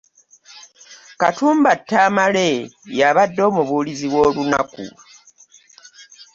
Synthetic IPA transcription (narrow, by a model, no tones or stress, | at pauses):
katuːmbatːaːmalejaβadːo̞ːmuβuːliziβwo̞ːluna̰kṵ